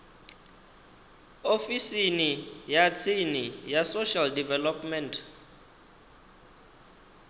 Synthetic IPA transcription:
ofisinijat͡sʰinijasoʃaldivɛlɔpmɛntʰ

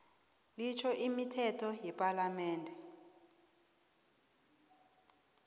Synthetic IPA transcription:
lit͡ʃʰɔʔimitʰɛtʰɔjɛpʼalamɛːndʱɛ

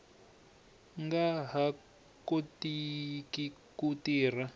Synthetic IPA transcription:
ŋɡaɦa | kotikikutiːr̤a

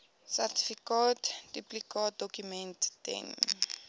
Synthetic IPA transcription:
sarti̥fikatdiplikɔːt̚dɔkumɛ̃nttɛ̰n

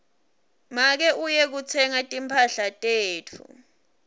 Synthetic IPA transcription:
mak̬ɛʔujɛk̬ut͡sʰɛŋatʼimpʰaɬatʼeːtʰṵ

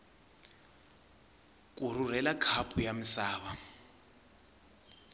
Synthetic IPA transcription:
kʼuɾ̤ur̤ɛlakʰapʰʼujamisaːβa

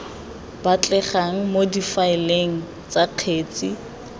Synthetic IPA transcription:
bat͡ɬʼɛχaŋ̩modifaɪleŋ̩ | t͡saq͡χʰeːt͡sʼi

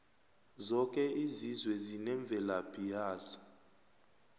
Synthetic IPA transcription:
zɔkʼɛizizwɛzinɛɱb̪vʱɛlabʰʱʼijaːsɔ̥

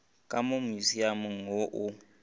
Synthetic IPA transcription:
kʼamomuziamuŋoʔu

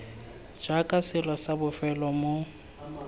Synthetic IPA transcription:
d͡ʒakʼasɪlɔsabʊfɛlɔmʊ

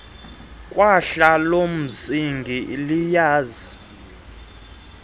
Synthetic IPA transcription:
kʼwaɬalom̩siŋɡʱilijaːzi

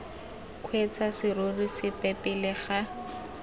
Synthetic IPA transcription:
kʰwet͡sʰasɪrorisɪpɛpɪlɪχa

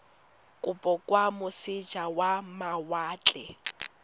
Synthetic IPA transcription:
kʼʊpʼɔkʼwamʊsɪd͡ʒʱawamawaːt͡ɬʼɛ

